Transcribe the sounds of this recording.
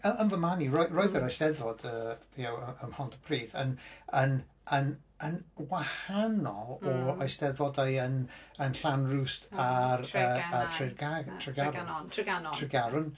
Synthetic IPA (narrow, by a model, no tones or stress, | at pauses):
əənvəmanirɔɨrɔɨðəɾajsdɛðvɔd̥əːijawəəmhɔntʰə̥pʰriːðə̰nən | ənənwahanɔlˠɔajsdɛðvɔdajənənɬanrustʰarəatʰrɪɡatʰrɪɡaɾʊntʰrɪɡaɾʊn